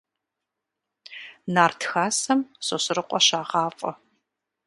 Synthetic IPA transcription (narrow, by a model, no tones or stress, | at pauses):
naːrtʰxaːsɐmsʼosɨrɨqʷʼɔʃaːʁɑːfʼɐ